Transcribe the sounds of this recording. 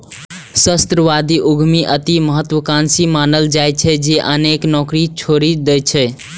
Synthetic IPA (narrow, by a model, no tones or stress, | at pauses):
səst̪ɾəʋad̪iʔuɡʱmiʔət̪iməɦət̪wəkansimanəld͡ʒajt͡ʃʰɛd͡ʒeʔəneknɔkɾit͡ʃʰoɾid̪ɛjt͡ʃʰɛ